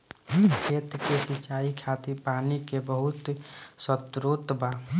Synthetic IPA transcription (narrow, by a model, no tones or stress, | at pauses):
kʰeːt̪kesit͡ʃaikʰat̪iɾpanikebəɦut̪sət̪ɾot̪ba